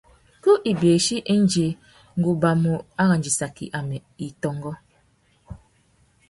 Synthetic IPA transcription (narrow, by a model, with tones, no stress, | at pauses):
ku˦ʔi˨be˨ʃi˦ʔe˦n̩˦d͡ʒe˨ | ŋ̩˨ɡu˨ba˨mu˨a˦ɣa˨n̩˨d͡ʒi˨sa˨kḭ˨ʔa˨mɛ˨i˨tɔ˨ŋ˦ɡɔ˦